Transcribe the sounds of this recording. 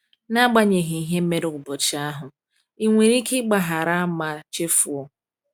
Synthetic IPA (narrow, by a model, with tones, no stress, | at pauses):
na˦ɡ͡ba˦ɲe˨ɦi˨i˨ɦe˦m̩˦me˦ɾʊ˦˨ɡʊ˨bɔ˨t͡ʃi˨a˦ɦʊ˨ | i˦˨ŋʷe˨ɾi˦kɪ˦ɡ͡ba˨ɦa˨ɾa˦a˦ma˨t͡ʃe˦fu˨ɔ˦